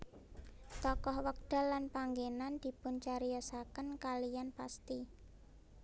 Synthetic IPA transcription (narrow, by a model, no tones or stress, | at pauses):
t̪ɔkɔhwək̚d̪̥a̤lanpaŋɡenand̪̥i̤pʊnt͡ʃaɾijɔsakənkalijanpast̪i